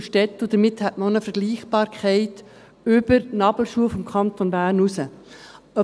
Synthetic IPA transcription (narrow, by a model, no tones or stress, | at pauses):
ʃtɛtːʊd̥̪əɾmɪthɛtməonəfəɾɡ̥liːχb̥ɑːɾkχɛɪt | ʏb̥əɾnɑbl̩ʃuəfɔmkʰχɑnt̪onbæːɾnusə | œ